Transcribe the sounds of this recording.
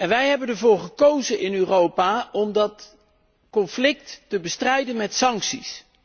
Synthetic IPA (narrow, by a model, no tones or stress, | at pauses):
ɛnʋɛjɦɛbəndəɹvʊːɹχəkowzənɪnøːrowpaːɔmdɑt | kɔnflɪktːəbəstrɛjdənmɛtsɑŋksis